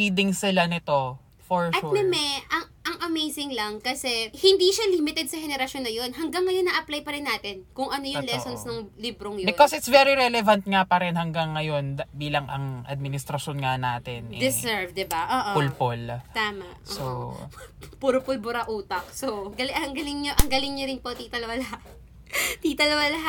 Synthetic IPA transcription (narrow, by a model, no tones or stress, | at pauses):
id̪ɪŋsɪlanɪt̪o̞ | foɹɐt̪mɛmɛʔɐŋʔɐŋʔɐmejsɪŋlɐŋkɐsɛhɪnd̪iʃalimɪt̪ɛd̪̚sɐhɛnɛɾɐʃo̞nːɐjo̞nɦɐŋɡɐŋːɐjonːɐʔɐplajpɐɾɪnːaːt̪ɪnkʊŋʔɐnojʊŋlɛsonsnɐŋliːbɾoŋjobɪkosɪt̪svɛɾiɾɛlɛvɐnt̪̚ŋapɐɾɛnhɐŋɡɐŋːɐjo̞nbiːlɐŋʔɐ̰ŋʔɐ̰d̪̚mɪnɪst̪ɾɐʃonŋanaːt̪ɛnɛd̪ɛsɛɹvd̪ɪbaʔoːʔopʊlpolt̪aːmɐʔo̰so | pʊɾpʊlbʊɾɐʔuːt̪ɐk̚soɡɐlʔɐŋɡɐlɪŋɲoʔɐŋɡɐlɪŋɲoɾɪnpot̪it̪ɐlɐwɐlɐɦa | t̪it̪ɐlɐwalɐɦa